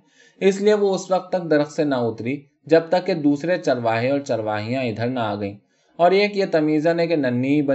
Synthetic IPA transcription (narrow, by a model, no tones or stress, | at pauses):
ɪslieʋoʊsʋɐq̚t̪ːɐk̚d̪ɐɾəxsenɐʊt̪ɾi | d͡ʒɐb̚t̪ɐkːed̪uːsɾet͡ʃɐɾʋaːɦeɔːɾt͡ʃɐɾʋaːɦijãɪd̪ʱəɾnaaːɡɐĩː | ɔːɾjekijet̪ɐmiːzãnek̬enɐnːibɐ